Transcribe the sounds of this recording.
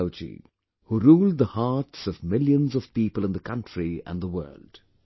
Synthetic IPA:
ʊt͡ʃḭ | huɾuːlˠd̪̚ðəhatsʌvmɪljə̃nzʌv̥piːpəlˠə̃nd̪əkʰʌ̃ntɹiə̰̃nðəwɜ̰˞ld̥

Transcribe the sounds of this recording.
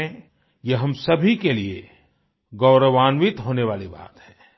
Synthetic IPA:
jeɦɐmsɐbʱikelie | ɡɐʊɾəʋaːnʋɪt̪ɦoːneʋaːliba̰ːt̪hɛ̃ː

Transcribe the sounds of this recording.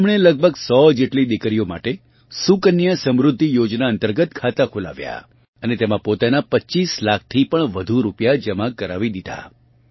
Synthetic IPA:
mɽ̃eləɡ̚bʱəɡsɔd͡ʒeʈlid̪ikəɾijoma̰ʈe | sukənːijəsəmɾʊd̪ʱːijod͡ʒnaənt̪əɾɡət̪kʰat̪akʰola̰ʋja̰ | ənet̪emãpot̪anapətːt͡ʃislak̚ʰt̪ʰipəɳʋəd̪ʱuɾupjad͡ʒəmakəɾaʋid̪id̪ʱa̰

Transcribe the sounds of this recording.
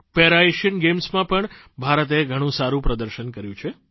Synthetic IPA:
peɾaeʃənɡemsmãpəɳ | bʱaɾət̪eɡʱəɽ̃ũsaɾũpɾəd̪əɾʃənkəɾjũt͡ʃʰe

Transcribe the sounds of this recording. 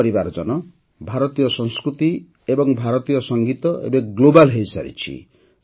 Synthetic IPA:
ɾibaɾd͡ʒɔnɔ | bʱaɾɔt̪ijɔsɔŋskɾut̪i | ebɔŋbʱaɾɔt̪ijɔsɔŋɡit̪ɔʔḛbeɡlobalɦejsa̰ɾḭt͡ʃʰḭ

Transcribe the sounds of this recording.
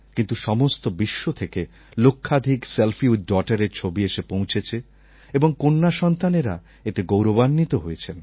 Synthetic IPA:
kint̪uʃɔmost̪obiʃːot̪ʰeke | lokʰːad̪ʱikselfiuɖɔʈaɾeɾt͡ɕʰobieʃepõw̃t͡ɕʰet͡ɕʰe | eboŋkonːaʃɔnt̪aneɾa̰ | et̪eɡowɾobanːit̪oɦojet͡ɕʰen

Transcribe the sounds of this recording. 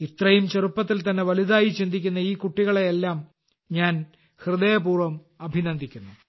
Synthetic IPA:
it̪rɐjumt͡ɕerupːɐt̪̬ːilt̪ɐnːe̞ʋɐliðaːjit͡ɕind̪ʱikʲːunːɐiːkuʈːiɣɐɭeelːaːm | ɲaːn | hrɨðejɐpuːrʋɐm | ɐbʱinɐnd̪ʱikʲːunːu

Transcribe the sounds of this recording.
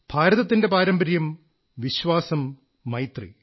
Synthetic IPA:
b̥ʱaːɾɐðɐt̪ːinde̞paːɾɐmbɐɾjɐm | ʋiɕʋaːsɐmː | ɐjt̪rḭ

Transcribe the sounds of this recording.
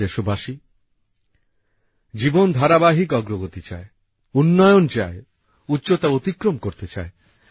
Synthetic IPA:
eʃobʱaʃi | d͡ʑibond̪ʱaɾabaɦikɔɡɾoɡot̪it͡ɕae | unːɔjont͡ɕae | utːɕot̪aot̪ikɾomkoɾt̪et͡ɕa̰e

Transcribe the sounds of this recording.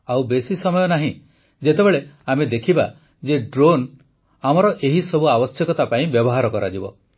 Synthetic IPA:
awbesisɔmɔjɔnaɦĩ | d͡ʒet̪ebeɭeamed̪ekʰiba | d͡ʒeɖɾon | amɔɾɔʔeɦisɔbuabɔsjɔkɔt̪apaĩbjɔbɔɦaɾɔkɔɾad͡ʒibɔ̰

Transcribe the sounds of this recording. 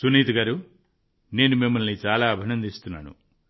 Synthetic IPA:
suniːt̪ɐɡaːɾu | ne̞ːnumimːɐlnit͡ʃaːlaːɐbʱinɐnd̪ist̪unːa̰ːnṵ

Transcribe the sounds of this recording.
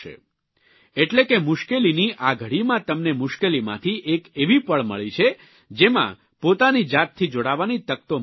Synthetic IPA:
ḛ | eʈlekemʊʃkeliniʔaɡʱəɽimãt̪əmnemʊʃkelimã̰t̪ʰiʔekeʋipəɭmə̰ɭit͡ʃʰe | d͡ʒemã̰ | pot̪anid͡ʒat̪ʰːid͡ʒoɽaʋanit̪ək̚t̪o

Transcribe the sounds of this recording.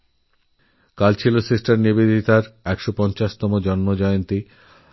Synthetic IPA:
kalt͡ɕʰilosesʈaɾnibed̪ʱit̪aɾɛkʃopɔnt͡ɕaʃt̪ɔmod͡ʑɔnmod͡ʑɔeont̪i

